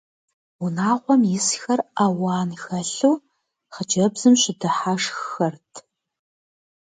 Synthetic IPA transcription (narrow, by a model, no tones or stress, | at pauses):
unaːʁʷɔmjɪsxɐraːwɑːnxɐɬuː | χəd͡ʒɐbzɨmɕɪdɨħaʂxxɐrtʰ